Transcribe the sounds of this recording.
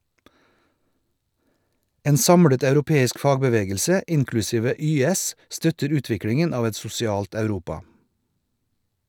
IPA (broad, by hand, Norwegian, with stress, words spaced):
ˈeːn ˈsɑmɽət ɑʉɾʊˈpeːɪsk ˈfɑːɡbəˌʋeːɡəlsə ˈɪnklʉˌsiːʋə ˈyːɛs ˈstœtəɾ ˈʉːtʋɪkɽɪŋən ˈɑːʋ ˈɛt sʊsɪˈɑːlt ɑʉˈɾuːpɑ